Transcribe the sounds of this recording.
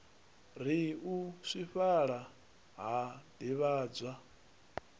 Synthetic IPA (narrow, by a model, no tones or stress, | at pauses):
ɾ̤iuʂiɸaɺa | ɦadiβaːd͡zʷa